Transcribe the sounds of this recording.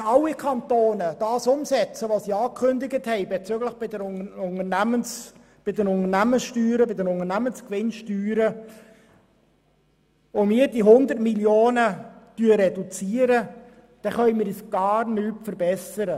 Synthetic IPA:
ɑlːikʰɑntoːnəd̥ɑːsʊmsɛt͡səʋosiɑːkʰχøndɪɡəthɛɪbɛt͡syɡləχb̥ɪdəɾʊnərnæməns | b̥ɪdənʊnənæməsʃtyːɾəbɪdəɾʊŋəɾnæmənskʋɪnʃtyːɾə | ʊmiːəɾd̥iɦʊnd̪ərtmiljoːnətyːəɾɛdut͡siːəɾə | d̥ɛχœʏmɪːɾisɡ̥ɑːɾnyːtfəɾbɛsəɾə

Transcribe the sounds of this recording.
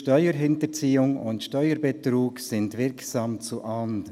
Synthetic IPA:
ʃtœʏəɾɦɪntəɾt͡siːʊŋʊntʃtœʏəɾbɛt̪ɾuːksɪndvɪɾksɑːmt͡suʔɑnd

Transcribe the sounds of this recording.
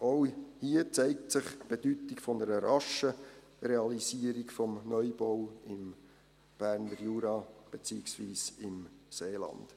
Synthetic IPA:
oʊhiət͡sɛɪk̚tt͡sɪχb̥ed̥ytɪkfɔnəɾəɾɑʃə | reɑlisiəɾikfɔmnœʏbowɪm | b̥æːɾnəɾjuːɾɑb̥et͡siːɪksviːsɪmseːlɑ̰nd̥

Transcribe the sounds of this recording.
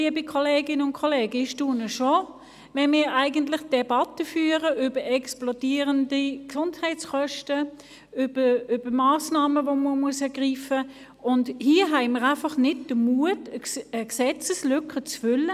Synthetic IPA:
iəbɪkʰoleːɡɪnəʊnkʰoleːɡɪʃtuːnəʃo | vɛnmɪːæɪɡəntlɪχd̥ɛbɑtəfyːəʁəʔʏbəɛksplodiːəʁəndiksʊndhæɪt͡skœʃtə | ʏb̥əʏb̥əmaːsnɑːməvoməmuəsɛɐɡ̥ʁiːfə | ʊndhiːəɦɛɪməʁæɪfɑχnɪd̚d̥əmuədəəksɛt͡səslʏkʰət͡sfʏlːə

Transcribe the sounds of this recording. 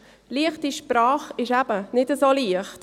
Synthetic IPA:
liəχtiʃprɑːχɪʃæb̥ənɪdəsoliəχt

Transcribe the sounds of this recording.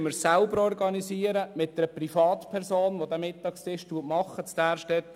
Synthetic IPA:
məɾsælbəɾɔrɡɑnisiəɾəmɪt̚d̪ɛɾəprifɑːt̪pʰɛɾsoːnʋod̪æmɪtːɑːkstɪʃttd̥uətmɑχːət͡sd̥æːɾʃtɛt

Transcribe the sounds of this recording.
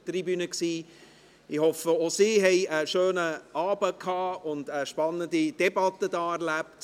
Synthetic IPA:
tribynəksiː | ɪhɔfəosiːɦɛɪəʃøːnəɑːbəkʰɑːʊndəʃpɑnːəndid̥ɛbɑtədɑːɛɾlæp̚t

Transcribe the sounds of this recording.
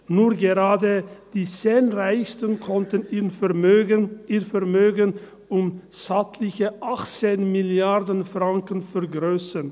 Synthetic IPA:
nuːʁɡeʁaːdəd̥iːseːnʁaɪçstənkʰɔntənimøɡənʔiːfɛʁmøːɡən | ʊmsatʰlɪçəʔaχt͡seːnmɪljaʁdənfʁaŋkənfɛʁɡʁøːsən

